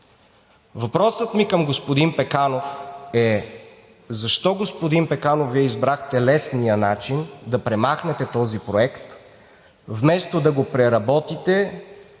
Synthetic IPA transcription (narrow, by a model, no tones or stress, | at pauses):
vɐpɾɔsət̪mikəmɡospod̪inpɛkanofɛ | zɐʃt̪ɔɡospod̪inpɛkanofviɛizbɾaxt̪ɛlɛsnijənat͡ʃind̪ɐpɾɛmaxnɛt̪ɛt̪ɔzipɾoɛkt̪ | vmɛst̪od̪ɐɡopɾɛɾɐbɔt̪it̪ɛ